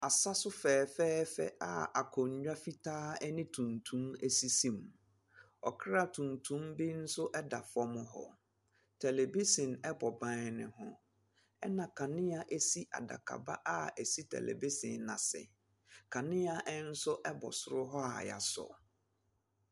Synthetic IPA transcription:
a˨sa˦sʊ˦fɛː˨fɛː˦fɛ̰˦ʔa̰˨a˨kʰɔ˨ɲ˨ɥᶣa˦fi˦tʰaː˦ɛ˦nɪ̃˦tʰũ˨ntʰũ˦me˦si˦sĩ˦m | ɔ˨kʰɾa˦tʰũ˨ntʰũ˦mbi˦n̩˦sʊ˦ʔɛ˦da˨fɔ˦mʊ̃˦ɦɔ̰˦ | tʰɛ˨le˨bi˦sɪ̃˨nɛ˦bɔ˨bã˨nɪ̰̃˨ɦʊ̃˨ | ɛ˦nã˨kʰã˨nɪ̃˦a˨ʔe˦si˦ʔa̰˨da̰˨kʰa̰˨ba˦ʔa˦ɛ˨si˦tʰɛ̰˨lḛ˨bi˦sɪ̃˨nnã˨sɛ̰˨ | kʰa˨nɪ̃˦a˨ʔɛ˦n̩˦sʊ˦ʔɛ˦bɔ̰˨sʊ˦ɾʊ˦ɦɔ˦a̰˨ja̰˨sɔ̰˨

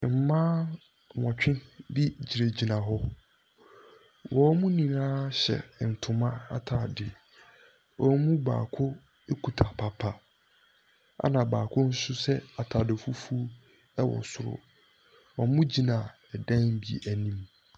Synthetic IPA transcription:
m̩˨mãː˦˨ | ɔ̃˨t͡ɕᶣɪ̃˦nbi˦d͡ʑi˨ɾe˨d͡ʑi˨nã˨ɦɔ˦ | wɔ˦mũ˦nĩ˨nãː˦ɕɛ̰˨n̩˨tʰʊ̃˨mã˦a̰˨tʰaː˨dɪ˨ | wɔ˨˦mũ˦ba̰ː˨kʰʊ˦ | e˦kʰu˨tʰa˨pʰa˨pʰa˨ | a̰˦nã˨baː˨kʰʊ˦n̩˦sʊ˦sɛ˦a˨tʰa˨dɪ˨fu˦fu˦ | ɛ˦wɔ̰̃˨n˨sʊ˦˨ɾʊ̰˨ | ɔ˨˦mũ˦d͡ʑi˨nã˨ | ɛ˨dã˦n˦bḭ˦˨ʔæ˨nĩ˦m

